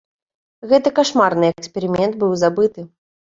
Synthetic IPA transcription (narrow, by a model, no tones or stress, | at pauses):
ɣɛt̪ɨkaʂmarnɨɛkksʲpʲɛɾɨmʲɛnt̪̚bɨwzabɨt̪ɨ